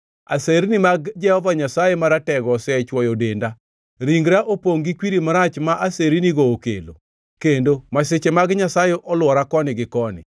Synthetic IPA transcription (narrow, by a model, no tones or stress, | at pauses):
a̰seɾinimaɡd͡ʒɛhɔvaɲasajemaɾatɛɡɔsɛt͡ʃwɔjodenda | ɾiŋɡɾaʔopoŋɡikwiɾimaɾat͡ʃmaʔaseɾiniɡoːkḛlo̰ | kendomaset͡ʃemaɡɲasajeʔɔlwɔɾakɔnɪɡɪkɔnɪ̰